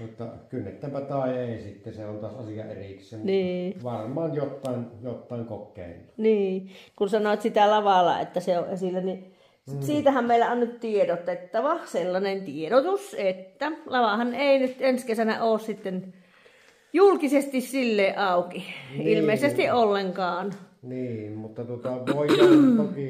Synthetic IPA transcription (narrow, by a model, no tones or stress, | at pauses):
jot̪ːɑkynːet̪ːæmpæt̪ɑˑeeˑisit̪ːeseont̪ɑsɑsijɑʔeriksˑenniːʋɑrmˑɑːnjot̪ːˑɑˑenjot̪ːˑɑˑeŋkokːˑḛˑinːu̥niːkunsɑnoet̪sit̪ælɑʋɑlːɑ̰ḛt̪ːæseoʔʔesilːæni | siːt̪æhæmmeˑilæonnyt̪t̪iedot̪ːet̪ːɑʋɑselːɑnent̪ieɾot̪uset̪ːælɑʋɑhɑneˑinyt̪enskesænæ̰ʔoːssit̪ːen | julkisest̪issilːeːʔʔɑˑukiilmeˑisest̪iʔʔolːeŋkɑːnniːnmut̪ːɑt̪uot̪ɑʋoijoki